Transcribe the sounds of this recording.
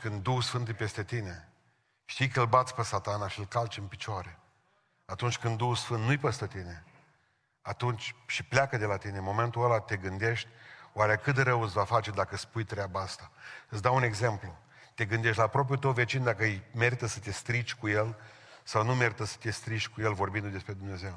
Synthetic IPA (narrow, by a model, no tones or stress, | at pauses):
kɨnd̪d̪uxusfɨnt̪ɨjpe̞st̪e̞t̪ine̞ | ʃt̪ijkəɨlbat̪sʲpesat̪anaʃilkalt͡ʃɨnpit͡ʃoaɾe̞ | at̪unt͡ʃʲkɨnd̪d̪uhusfɨnt̪nujpəst̪ət̪ine̞ | at̪unt͡ʃʲʃipleakəd̪e̞lat̪ine̞mo̞me̞nt̪uəlat̪e̞ɡɨnd̪e̞ʃt̪ʲwaɾekɨt̪d̪eɾəwɨtsvafat͡ʃe̞d̪akəspujt̪ɾʲeabaast̪aɨtsd̪aune̞ɡze̞mplu | t̪e̞ɡɨnd̪eʃ̬t̪ʲlapɾo̞p̬jut̪əwve̞t͡ʃind̪akəjme̞ɾit̪əsə̥t̪e̞st̪ɾit͡ʃʲkuje̞l | sawnume̞ɾit̪əsə̥t̪e̞st̪ɾit͡ʃʲkuje̞lvo̞rbind̪ud̪e̞spɾe̞d̪umne̞ze̞w